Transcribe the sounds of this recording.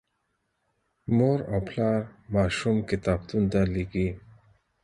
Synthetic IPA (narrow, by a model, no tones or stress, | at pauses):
moɾɔpʰlaɾmaːʃumkit̪aːb̚t̪und̪aliɡi